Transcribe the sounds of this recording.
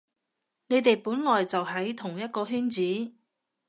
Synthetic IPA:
ne˨˧jt̪e˨jpuː˨˥nŋɔː˨jt͡sɐ˨wɦɐ˨˥jt̪ʰʊ˨˩ŋjɐ˥t̚kɔː˧ɦyː˥nt͡siː˨˥

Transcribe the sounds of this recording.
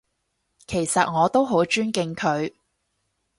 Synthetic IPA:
kʰe˨˩jsɐ˨t̚ŋɔː˨˧t̪o˥wɦo˨˥wt͡ʃyː˥nkɪ˧ŋkʰɵ˨˧ɥ

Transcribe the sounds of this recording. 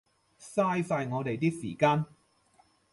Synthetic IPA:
saː˥jsaː˧jŋɔː˨˧t̪e˨jt̪̬iː˥k̚sḭː˨˩kaː˧n

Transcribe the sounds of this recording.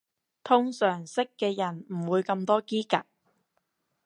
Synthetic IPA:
t̪ʰʊ˥ŋsœː˨˩ŋsɪ˥kːɛː˧jɐ˨˩nm̩˨˩wuː˨˧jkɐ˧mt̪ɔː˥kiː˥kɐ˨k̚

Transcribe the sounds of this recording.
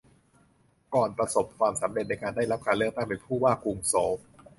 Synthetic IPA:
kɔː˨˩npɾa˧so˨˩p̚kʰwaː˧msa˩˦mɾe˨˩t̪̚na˧jkaː˧nda˥˩jɾa˦˥p̚kʰaː˧nlɯ˥˩ək̚t̪a˥˩ŋpe˧npʰuː˥˩waː˥˩kuː˧ŋsoː˩˦

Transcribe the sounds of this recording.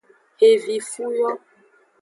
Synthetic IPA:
e˨vi˨fu˦wɔ˦

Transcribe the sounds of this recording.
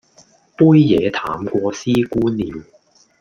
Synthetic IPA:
puː˥jːɛː˨˧t̪ʰaː˨mkʷɔː˧siː˥kuː˥nliː˨˧w

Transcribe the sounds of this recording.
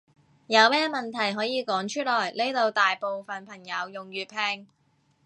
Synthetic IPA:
jɐ˨˧wmɛː˥mɐ˨nt̪ʰɐ˨˩jɦɔː˨˥jiː˨˧kɔː˨˥ŋt͡ʃʰɵ˥lɔː˨˩jle˥t̪o˨˧wt̪aː˨jpo˨˧wfɐ˨npʰɐ˨˩ŋjɐ˨˧wjʊ˨ŋjyː˨t̚pʰɛː˧ŋ

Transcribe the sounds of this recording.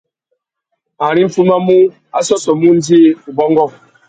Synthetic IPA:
a˨ɾi˦m̩˦fu˦ma˦mu˦ | a̰˦sɔ˦sɔ˨mu˦n˦di˦˨u˨bɔ˦ŋɡɔ˦˨

